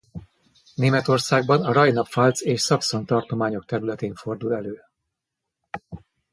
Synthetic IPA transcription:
neːmɛt̪o̞rsaːɡ̚bɒnɒɾɒjnɒpfɒlt̪seːʃsɒkso̞nt̪ɒrt̪o̞maːɲo̞k̚t̪ɛɾylɛt̪eːɱfo̞rd̪ulɛløː

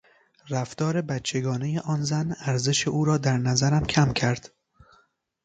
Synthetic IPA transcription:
ræft̪ɒːɾe̞bæt̪t͡ʃʰe̞ɡɒːne̞je̞ʔɒːnzænæɾze̞ʃeʔuːɾɒːd̪æɾnæzæɾæmcʰæmcʰæɾd̪̥

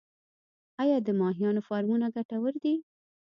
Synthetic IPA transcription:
ɑjɑd̪əmɑɦijɑnofɑɾmunaɡaʈawəɾd̪i

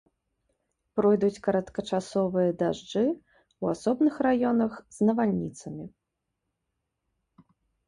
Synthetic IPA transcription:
pɾɔjd̪ut͡sʲkɐɾɐt̪kɐt͡ʂasɔvɨjɐd̪aʐd͡ʐɨ | uasɔbnɨxrajɔnɐxz̥nɐvalʲnʲit̪sɐmʲi

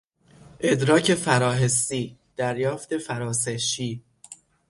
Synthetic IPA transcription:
ʔe̞d̪ɾɒːcʰe̞fæɾɒːɦe̞st̪iːd̪̥æɾjɒːft̪e̞fæɾɒːseʃiː

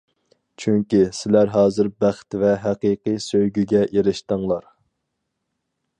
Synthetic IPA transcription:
t͡ʃʰyŋkʲisɪlæɾɦɑːzɨɾbæχt̪vɛɦæqiːqijsøjɡʲyɡʲɛʔeɾɪʃt̪əŋlˠɑɾ

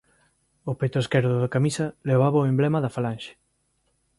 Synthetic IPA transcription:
opejt̪oeskɛɾðʊðɐkamisɐleβaβɐʊemblɛmɐðɐfalanʃe̥

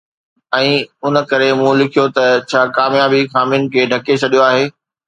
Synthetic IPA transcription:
ɛ̃ːʊnə̆kɐɾemũːlɪkʰijot̪ɐt͡ɕʰaːkaːmjaːbixaːmijənɪ̆kʰeːɖʱɐket͡ɕʰɐɗijoaːɦeː

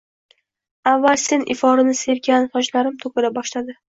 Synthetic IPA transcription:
avːalse̞nʔɪfɒɾɪnɪse̞ɾɡʲanfɒd͡ʒlaɾɪmt̪ʰokʲɪɾabɒʃlad̪ɪ

